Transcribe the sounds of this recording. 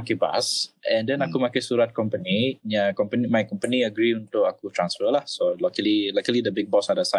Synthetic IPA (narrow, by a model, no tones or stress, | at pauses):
akiba̰sɛ̃ndɛnakumakasuɾat̪̚kɔmpənijakɔmpənimajkɔmpəniəɡɾiunt̪ʊkakut̪ɾãnsfəlahsolokəlilakəlidəbɪk̚bɔsadasa